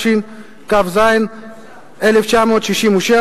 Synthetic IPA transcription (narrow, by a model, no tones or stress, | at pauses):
ʃin | kavzain | eleft͡ʃamoːt̪ʃiʃimuʃe